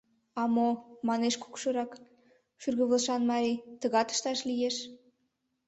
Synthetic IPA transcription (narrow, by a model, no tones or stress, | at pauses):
ɑmomɑneʃku̥kʃɤɾɑk | ʃyrɣəβəlʃɑnmɑɾʲit̪əɣɑt̪ə̥ʃt̪ɑʃlijeʃ